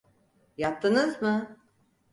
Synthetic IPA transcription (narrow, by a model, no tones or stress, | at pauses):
jap̚t̪ʰːɯnɯzmɯ